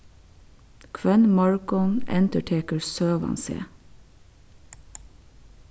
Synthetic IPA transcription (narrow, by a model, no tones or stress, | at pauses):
kʰʋɛnmɑɹkɔnɛ̰nt̪əʈʰeːkəɹsøːʋɑ̰nsḛː